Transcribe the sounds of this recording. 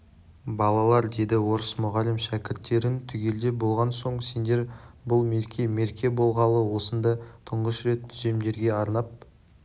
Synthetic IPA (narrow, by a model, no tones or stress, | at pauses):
bɑlˠɑlˠɑɾd̪e̞jd̪ɪwo̞ɾəsmʊʁɑlɪmʃækʲɪɾt̪ːe̞ɾɪnt̪ʰʏɡʲe̞ld̪e̞bo̞lˠʁɑnso̞ɴse̞nd̪e̞ɾbʊlˠme̞ɾkʲʰe̞me̞ɾkʲe̞bo̞lˠʁɑlˠəwo̞sənd̪ɑt̪ʰəɴʁəʃɾe̞t̪ʰːʏze̞md̪e̞ɾɡʲe̞ɑɾnɑp̚